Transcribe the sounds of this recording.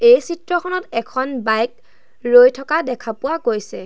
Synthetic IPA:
ejsitɹɔkʰɔnɔtɛkʰɔnbajk̚ | ɹojtʰɔkadɛkʰapʊwakojsɛ

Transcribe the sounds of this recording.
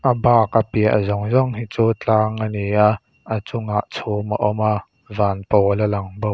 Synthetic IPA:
ʔəbaːkapiəʔə̰zɔŋzɔŋɦit͡suːt͡ɬaːŋənia | ʔət͡sʊŋaʔt͡sʰumaʔɔma | vaːnpɔləlɐŋbow

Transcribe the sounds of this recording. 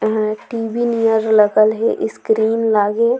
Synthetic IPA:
ʈiːbinijəɾlɐɡəlɦeʔɪskɾiːnlaːɡeː

